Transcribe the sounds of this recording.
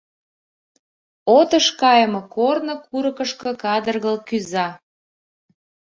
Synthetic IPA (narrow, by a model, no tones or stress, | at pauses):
ot̪əʃkɑjəmokornŏkuɾɤ̆kəʃkɤ̆kɑd̪ərɣəlkyzɑ